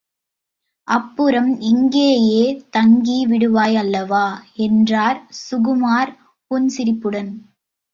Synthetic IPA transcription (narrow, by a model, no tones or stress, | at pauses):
ʔɐpːɯɾɐmɪŋɡeːjeːt̪ɐŋɡiʋɪɽɯʋaːjɐlːɐʋaːɛndraːɾsʊɣɯmaːɾ | pʊnsɪɾɪpːɯɽɐn